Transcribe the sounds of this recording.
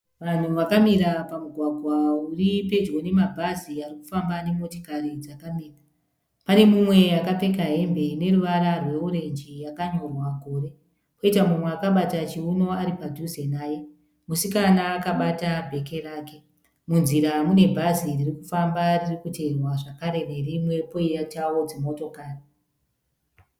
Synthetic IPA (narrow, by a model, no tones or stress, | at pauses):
ʋan̤uʋakamiɾapamuɡʱwaɡʱwauripe̞d͡ʒwo̞ne̞mabʱaziariku̥fambane̞mo̞tikaɾid͡zakamiːra | pane̞mumwe̞akape̞kaɦe̞mbe̞ne̞ruʋaɾarwe̞uɾe̞nd͡ʒijakaɲo̞rwakoːɾe̞ | ko̞itamumweakaɓatat͡ʃiuno̞aɾipad͡ʒʱuze̞naːje | musikanaːkaɓatabʱe̞ke̞raːke̞ | munziɾamune̞bʱaziririkufambaririkute̞rwaʐakaɾe̞ne̞rimwe̞po̞ijat͡ʃawo̞d͡zemoto̞kaːre